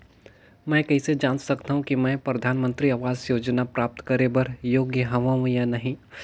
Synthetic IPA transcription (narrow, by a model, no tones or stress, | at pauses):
mɛ̃ːkɐɦised͡ʒãːnsɐkt̪aːɦũkimɛ̃ːpɾɐd̪ʱaːnmə̃nt̪ɾiaːʋaːzjoːd͡ʒnapɾaːp̚t̪kɐɾebɐɾjoːɡjəɦɐʋaũjanɐɦĩ